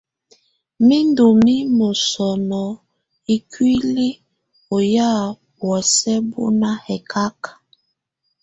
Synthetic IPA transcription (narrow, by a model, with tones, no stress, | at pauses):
mi˦ndo˨mi˦mo˨sɔ˨nɔ˨ | i˦kʰwi˦li˦ | o˨ja˦˨ | bwɛ˨sɛ˦bo̰˦na˦hɛ˨kʰa˦k